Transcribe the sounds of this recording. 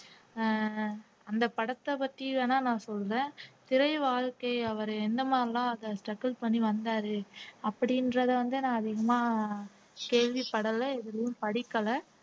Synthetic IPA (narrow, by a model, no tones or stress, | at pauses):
ɐnd̪ɐpɐɽɐt̪ːɐpɐʈrienaːnãːsɔlːɾẽːt̪ɪɾɐɪʋaːɻkɐɪɐʋɐɾɛnd̪ɐmaːdɾɪlãːɐðɐsʈɐkːɐlpɐɳːiʋɐnd̪aːɾɯɐpːɐɽɪnɾɐðɐʋɐnd̪ɯnãːɐðɪɣɐmaː | keːɻʋɪpːɐɽɐlːɐɛðɯlɐjʊ̃mpɐɽɪkːɐlɐ